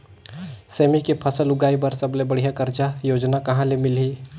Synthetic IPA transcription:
seːmikepʰɐsəlʊɡaːibɐɾsɐblebɐɽ̤ijakɐɾt͡ʃajoːd͡ʒnakɐɦãlemɪliː

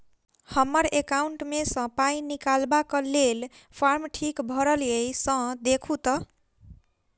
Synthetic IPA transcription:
hʌmːʌɾekawɳʈmesʌ̃paĩnikalbakolelpʰarmʈʰikbʱʌɾʌlijʌjsʌ̃d̪ekʰut̪ʌ

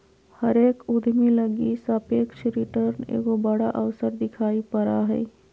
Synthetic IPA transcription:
hɐɾeːkʊd̪ʱmẽləɡisapeːkʃɾɪʈəɾnḛːɡobɐɽaʔəʋsəɾd̪ɪkʰaːipɐɾaɦɛ̰ː

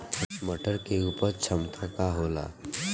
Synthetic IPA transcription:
əməʈəɾkeuːpəɾt͡ʃʰəmt̪ʰãkaɦoːla̰ː

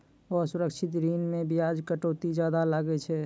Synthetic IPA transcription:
osuɾəkʃʰɪt̪ɾinmebijad͡ʒkəʈoːt̪id͡ʒjad̪alaɡɛt͡ʃʰɛ

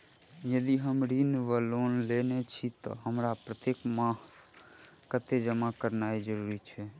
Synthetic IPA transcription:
jəd̪iɦəmɾinʋəlonlenet͡ʃʰit̪ɔ̰ɦəmɾapɾət̪jekmãhs | kət̪ed͡ʒəmakəɾnaed͡ʒəɾuɾit͡ʃʰɛ

